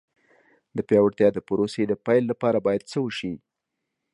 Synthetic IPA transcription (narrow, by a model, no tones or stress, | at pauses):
d̪əpjɑwaɽt̪jɑd̪əpʊɾosed̪əpajlːapɑɾabɑjad̪̚t͡səwəʃi